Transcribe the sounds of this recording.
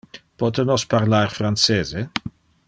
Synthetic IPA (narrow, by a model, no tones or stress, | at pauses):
pɔt̪enɔspaɾlarfɾant͡seːze